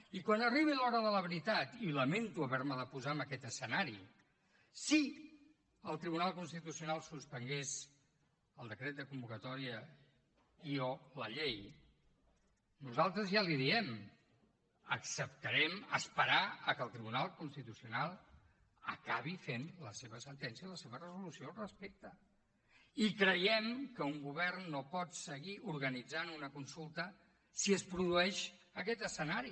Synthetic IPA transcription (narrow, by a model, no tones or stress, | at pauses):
ikwanəriβ̞ilɔɾəðələβɾit̪at̪iləment̪uəβɛɾməðəpuzaəməkɛt̪əsənaɾi | si | əlˠt̪ɾiβunalˠkunst̪it̪usiunalˠsuspəŋɡes | əlˠd̪əkɾɛt̪d̪əkumbukət̪ɔɾiə | ioləʎej | nuzalˠt̪ɾəzjaliðiɛm | əksəp̚t̪əɾɛmə̰spəɾaəkəlˠt̪ɾiβunalˠkunst̪it̪usiunalˠ | əkaβifenləseβəsənt̪ɛnsiəiləseβərəzulusiorəspek̚t̪ə | ikɾəjɛmkəuŋɡuβɛrnːopɔt̪səɣiʔuɾɣənid͡zanunəkunsulˠt̪ə | siəspɾuðuɛʃəkɛt̪əsənaɾi